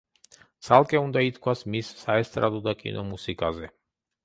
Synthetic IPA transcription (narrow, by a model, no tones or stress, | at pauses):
t̪sʰalˠkʼɛund̪ait̪kʰwasmisːaɛst̪ʼɾa̰d̪ɔd̪akʼḭnɔmusikʼazɛ